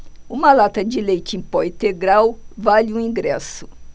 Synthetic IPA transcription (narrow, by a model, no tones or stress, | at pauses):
ũmɐlat̪ɐd͡ʒɪlejt͡ʃɪẽpɔĩt̪eɡɾawvalɪũĩɡɾɛsʊ